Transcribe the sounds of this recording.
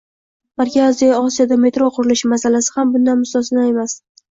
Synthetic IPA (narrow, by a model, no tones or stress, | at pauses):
baɾkʲɪɒzijɒɒsijad̪ame̞t̪ɾoqʰʊɾɪlɪʃmasalasɪ̥hambʊnd̪anmʊst̪ɒsɪnae̞mas